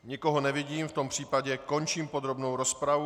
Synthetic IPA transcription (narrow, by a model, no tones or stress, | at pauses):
ɲɪko̞ɦonɛvɪɟiːmft̪o̞mpr̝̥iːpaɟɛko̞nt͡ʃiːmpod̪ɾo̞bnowɾospɾavu